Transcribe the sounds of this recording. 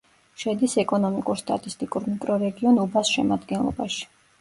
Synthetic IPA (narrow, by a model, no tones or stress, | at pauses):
ʃɛd̪isɛkʼɔnɔmikʼuɾst̪ʼa̰t̪ʼist̪ʼikʼuɾmikʼɾɔɾɛɡiɔnubasʃɛmad̪ɡɛnlˠɔ̰baʃi̥